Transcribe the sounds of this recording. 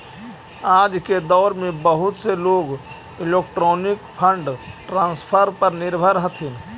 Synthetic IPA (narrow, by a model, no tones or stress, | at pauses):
aːd͡ʒked̪ɔːɾmẽbəɦʊt̪seloːɡ | ilek̚ʈɾɔːnikpʰəɳɖʈɾaːnspʰəɾpəɾnɪɾbʱəɾɦət̪ʰin